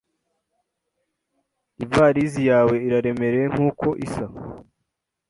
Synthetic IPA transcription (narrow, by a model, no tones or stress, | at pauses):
ivaːɾizijaːwe̞iɾaɾe̞me̞ɾe̞ŋ̥uːkʰo̞ʔisa